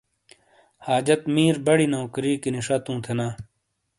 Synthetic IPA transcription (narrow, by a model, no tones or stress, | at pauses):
haːd͡ʑɐt̪miːɾbɐɽinɐokɾiːkiniʂɐt̪ũːt̪ʰenaː